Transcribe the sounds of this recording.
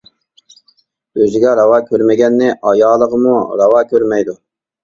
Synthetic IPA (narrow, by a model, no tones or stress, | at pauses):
øzɪɡʲɛɾɑwɑːkʲʰøɾmɪɡʲɛnːɪʔɑjɑːlˠəʁəmuɾɑwɑːkʲʰøɾmɛjd̪u